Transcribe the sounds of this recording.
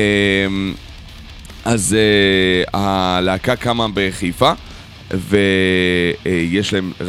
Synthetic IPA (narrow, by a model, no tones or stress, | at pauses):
em | azealaakakamabeʁeχifa | ve | jeʃlaemʁ